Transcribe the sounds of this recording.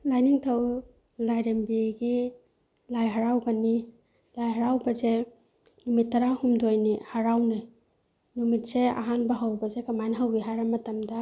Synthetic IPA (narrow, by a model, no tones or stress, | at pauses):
lajniŋtʰaw | lajɾembiɡi | lajɦaɾawɡani | lajɦaɾawbɐze | numitːɐɾahumdojnihaɾawnɯ | numit̚sea̰ɦanbɐɦawbɐzekamajnɦawiɦajɾamɐtamdɐ